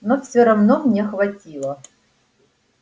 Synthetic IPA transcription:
nofsʲoɾɐvnomnʲexvɐtʲilˠə

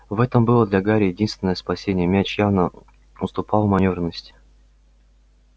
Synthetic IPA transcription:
vɛt̪əmbɨlˠəd̪lʲaɡaɾʲɪjɪdʲinst̪vʲɪnəjəspɐsʲenʲɪjəmʲæt͡ɕjavnə | ʊst̪ʊpɑlˠmɐnʲovɾrnəsʲtʲ

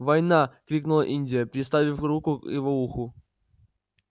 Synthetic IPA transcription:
vɐjnakɾʲiknʊlˠəʔinʲdʲɪjəpʲɾʲɪst̪avʲɪfɾukʊjɪvouxʊ

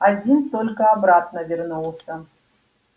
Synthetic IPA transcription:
ad͡zʲint̪olʲkəabɾat̪̚nəvʲɪrnulˠsə

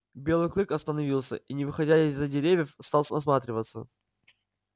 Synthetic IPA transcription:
bʲe̞lˠɨjklˠɨkɐst̪ənɐvʲilˠsʲə̰ʔinʲɪvɨxɐdʲæɪzːədʲɪɾʲevʲjəfst̪ɑlˠsəmɐsmat̪ɾʲɪvət̪sːə̰

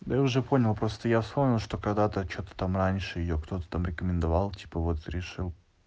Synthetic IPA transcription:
d̪əjaʊʐɛpo̞nʲɪlˠpɾo̞st̪əjafspo̞mnʲɪlˠʂt̪o̞kɐɡd̪at̪ət͡ɕo̞t̪ə̥t̪amranʲʂɨjɪjokt̪o̞t̪ə̥t̪amɾʲɪkəmʲɪnd̪ɐvalˠtʲi̥pəvo̞t̪ɾʲɪʂɨlˠ

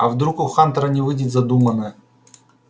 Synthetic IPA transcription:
ɐ̰vd̪ɾukʊxant̪ɾənʲɪvɨdʲɪt̪ʲzɐd̪umənə

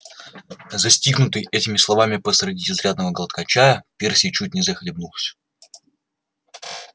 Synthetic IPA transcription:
zɐsʲtʲiɡnʊt̪ɨjʔɛtʲɪmʲɪslˠɐvamʲɪpəsɾɐdʲiɪzɾʲad̪nəvəɡəlˠət̪̚kɐt͡ɕajəpʲersʲɪjt͡ɕut̚ʲnʲɪzəxlʲɪbnulˠsʲ

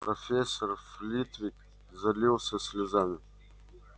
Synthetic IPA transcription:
profʲesorflʲit̪vʲik | zɐlʲiwˠsɐsʲlʲɪzamʲɪ

